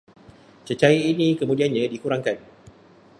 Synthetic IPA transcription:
t͡ʃət͡ʃaiːnĩkəmũdianɲãdikuɾaŋkan

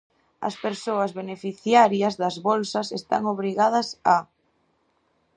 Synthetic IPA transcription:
ɐ̰speɾsoɐzβenefiθjaɾjɐzðɐzβɔlsɐsest̪a̰ŋoβɾiɣað̞ɐsa

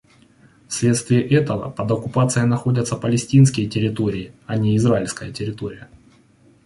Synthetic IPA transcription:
fsʲlʲe̞t̪st̪vʲɪjɪʔɛt̪əvə̰pəd̪ɐkʊpat̪sɨjənɐxo̞dʲət̪səpəlʲɪsʲtʲinskʲɪjətʲɪɾʲɪt̪o̞ɾʲɪːɐnʲeɪzraɪlʲskəjətʲɪɾʲɪt̪o̞ɾʲɪjə

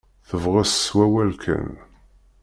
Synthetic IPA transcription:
θəvʁəsːwæwælkʰə̰n

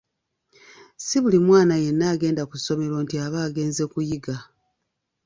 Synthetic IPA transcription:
siβulimwaːnaje̞nːaːɡe̞ːndakuso̞me̞ɾo̞ntiaβaːɡe̞ːnze̞kujiɡa

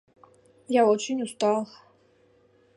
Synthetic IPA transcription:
jaɔt͡ɕɪnʲʊst̪alˠ

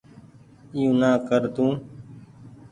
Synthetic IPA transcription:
ijũːnaːkəɾt̪ũː

